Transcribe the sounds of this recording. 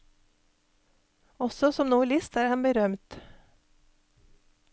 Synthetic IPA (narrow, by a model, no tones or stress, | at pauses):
ɔsɔsɔmnuːlɪst̪æːɾhɑnbəɾœmt̪